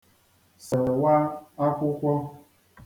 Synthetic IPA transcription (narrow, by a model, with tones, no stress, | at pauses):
sɪ˨ɾwa˦a˦kʷʊ˦kʷɔ˦